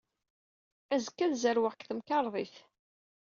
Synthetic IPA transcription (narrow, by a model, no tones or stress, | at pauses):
æzəkːæðzəɾwəʁkθəmkɑɾˤðˤiθ